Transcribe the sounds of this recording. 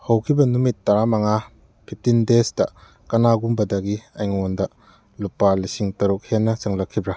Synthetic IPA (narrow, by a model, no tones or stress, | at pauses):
hɐwkʰibɐnumitːɐɾamɐŋa | pʰip̚tindestɐ̰ | kɐnaɡumbɐdɐɡiɐjŋondɐ | lupːalisiŋtɐɾuk̚henːɐt͡ʃɐŋlɐkʰːibɾɐ